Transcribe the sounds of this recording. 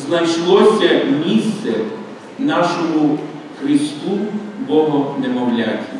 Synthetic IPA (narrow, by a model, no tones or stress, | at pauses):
znɐjʃlˠɔsʲɐmʲist̪sɛ | nɑʃɔmʊ | xɾɪst̪ubɔɦɔnɛmɔwlʲatʲi